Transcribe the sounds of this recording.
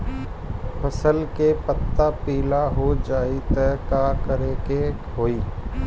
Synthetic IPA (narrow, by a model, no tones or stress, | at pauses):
pʰəsəlkepət̪ːapiːlaɦod͡ʒaːit̪ɛɦkaːkəɾeke | ɦoːiː